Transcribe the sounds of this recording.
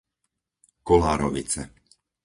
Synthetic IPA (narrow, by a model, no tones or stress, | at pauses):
kɔlaːɾɔʋit͡sɛ